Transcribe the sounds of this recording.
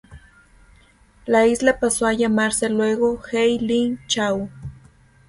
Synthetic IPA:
laislapasoajamaɾselweɣoxejlint͡ʃaw

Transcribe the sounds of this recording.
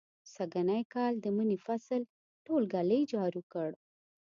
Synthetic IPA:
saɡanajkɑld̪əmənifasəl | ʈolɡaləjd͡ʒɑɾukəɽ

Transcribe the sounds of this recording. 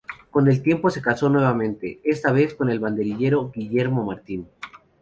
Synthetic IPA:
ko̞ne̞lt̪je̞mpo̞se̞kaso̞nwe̞β̞amẽ̞nt̪e̞̰est̪aβ̞e̞sko̞ne̞lβand̪e̞ɾiʝe̞ɾo̞ɡiʝe̞ɾmo̞maɾt̪in

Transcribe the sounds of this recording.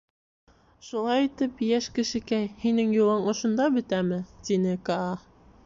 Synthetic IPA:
ʃulˠɑjit̪ɘpjæʃkɘ̆ʃɘ̆kæjhinɘŋjulˠɤɴŏʃŏnd̪ɑbɵ̆t̪æmɘt̪inɘkɑɑ

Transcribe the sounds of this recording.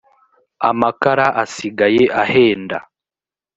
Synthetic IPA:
a̰makaɾaʔasiɡajeʔahe̞ːnda̰

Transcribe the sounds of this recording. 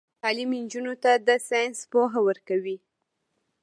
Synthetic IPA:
t̪ɑlimind͡ʒunot̪ad̪əsɑjnspoɦawəɾkawi

